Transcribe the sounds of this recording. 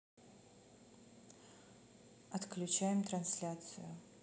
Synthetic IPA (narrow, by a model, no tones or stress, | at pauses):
ɐt̪klʲʉt͡ɕæjɪmt̪ɾɐnsʲlʲat̪sɨjʊ